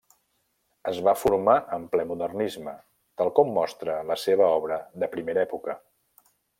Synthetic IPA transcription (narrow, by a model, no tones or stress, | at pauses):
əzβafuɾmaʔəmplɛmuðərnizmə | t̪alˠkɔmːɔst̪ɾələseβ̞əɔβɾəðəpɾimeɾɛpukə